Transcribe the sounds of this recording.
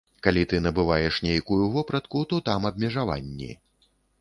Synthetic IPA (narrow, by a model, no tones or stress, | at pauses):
kalʲit̪ɨnɐbɨvajɛʂnʲejkujuvɔpɾɐt̪kut̪ɔt̪amɐbʲmʲɛʐava̰nʲːḭ